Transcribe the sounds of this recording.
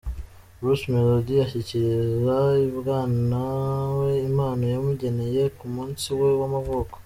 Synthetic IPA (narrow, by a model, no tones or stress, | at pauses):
ɾusmeloɟijaçiciɾizaiβɡaːnawe̞imaːnojamuɟe̞ne̞je̞kumuːnsiwe̞wamavoko̥